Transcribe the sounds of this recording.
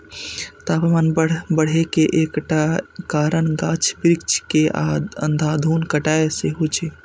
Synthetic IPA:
t̪apmanbəɽ̤ekeʔekʈakaɾəɳɡat͡ʃʰbɾik̚t͡ʃʰkea̰d̪ə̰nd̪ʱad̪ʱuːnkəʈaeseɦut͡ʃʰe

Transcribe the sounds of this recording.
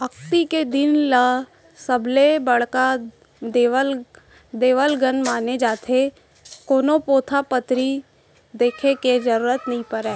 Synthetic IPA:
ɐkt̪iked̪ɪnla | səblebəɽka | d̪l | d̪eːʋəlɡənmaːned͡ʒaːt̪ʰe | koːnopoːt̪ʰapət̪ɾi | d̪eːkʰeked͡ʒəɾuːɾət̪nəɦĩpəɾɛː

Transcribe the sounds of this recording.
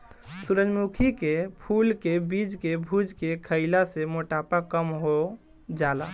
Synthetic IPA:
suɾəd͡ʒmukʰikepʰulkebid͡ʒkebʱud͡ʒkekʰəɪlasemoʈapakəmɦo | d͡ʒala̰

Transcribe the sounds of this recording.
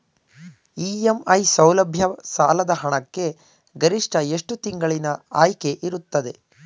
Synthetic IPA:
iːemɐjsɐwlɐbʱjɐsaːlɐd̪ɐɦɐɳɐkːe̞ | ɡɐɾiʂʈɐe̞ʂʈut̪iŋɡɐɭinɐaːjke̞ʔiɾut̪ːɐd̪e̞

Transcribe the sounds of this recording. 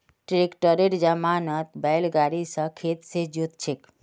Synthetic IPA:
ʈɾekʈəɾeʈd͡ʒamanət̪bajlɡaɾisəkʰet̪sed͡ʒut̪t͡ʃʰek

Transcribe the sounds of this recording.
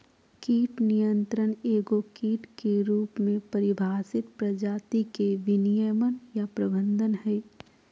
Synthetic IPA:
kiːʈnijə̃nt̪ɾəneːɡokiːʈkeɾuːpmẽpəɾɪbʱaːsɪt̪pɾəd͡ʒaːt̪ikeʋɪnijəmənjapɾəbə̃nd̪ənɦɛː

